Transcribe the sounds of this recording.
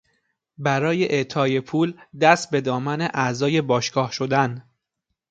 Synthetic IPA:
bæɾɒːje̞ʔeʔt̪ʰɒːje̞pʰuːld̪æst̪̚be̞d̪ɒːmæne̞ʔæzɒːje̞bɒːʃɡɒːhʃo̞d̪æn

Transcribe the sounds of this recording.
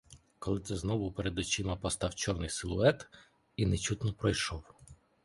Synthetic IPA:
kɔlˠɪt̪sɛznɔʋʊpeɾed̪ɔt͡ʃimɐpɔst̪ɑwt͡ʃɔrnɪjsɪlˠʊɛt̪ | inet͡ʃut̪nɔpɾɔjʃɔw

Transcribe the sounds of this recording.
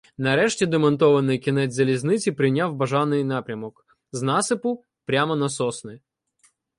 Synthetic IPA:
nɐɾɛʂtʲɛd̪ɛmɐnt̪ɔʋɐnɪjkʲɪnɛzɐlʲiznɪt͡sʲipɾɪnʲawbɐʐanɪjnapɾʲɐmɔk | znasɪpʊ | pɾʲamɐnɐsɔsnɨ

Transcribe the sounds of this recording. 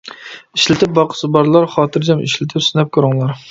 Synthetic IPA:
iʃlɪt̪ʰɪp̚bɑqʰə̥sɨbɑɾlˠɑɾχɑːt̪ʰɨɾd͡ʒɑmiʃlɪt̪ʰɪpsynɛp̚kʲʰøɾɨŋlˠɑɾ

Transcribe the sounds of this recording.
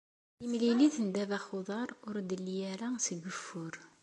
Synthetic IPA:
imliliθənd̪ævæχoðˤɑɾˤʊɾd̪əlːijæɾæsəɡəfːʊɾ

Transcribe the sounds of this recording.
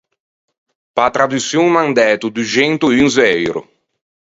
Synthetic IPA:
pat̪ɾad̪usjuŋmand̪ɛːt̪ud̪ud͡ʒɛnt̪ʊynzɛjɾʊ̰

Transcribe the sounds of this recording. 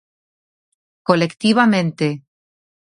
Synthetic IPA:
kolekt̪iβamẽnt̪e

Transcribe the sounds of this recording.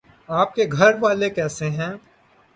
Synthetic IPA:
aːp̚keɡʱɐɾʋaːlekɛːseɦɛ̃ː

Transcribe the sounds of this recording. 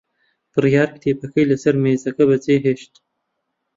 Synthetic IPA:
pəɾjɑːɾkt̪ʰepakəjlasaɾmezakabat͡seɦeʃt̪

